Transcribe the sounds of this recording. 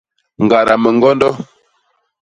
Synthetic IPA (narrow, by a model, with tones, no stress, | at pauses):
ŋ˨ɡa˨ɾa˨mə˨ŋɡɔ˦ndɔ˦